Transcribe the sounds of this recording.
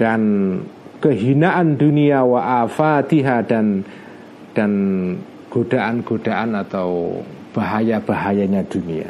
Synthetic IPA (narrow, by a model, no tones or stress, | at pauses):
d̥an | kəɦinaʔanduniawaʔafat̪iɦadan | d̥an | ɡ̥od̥aʔanɡ̥od̥aʔanat̪aw | b̥aɦajab̥aɦajaɲad̥unia̰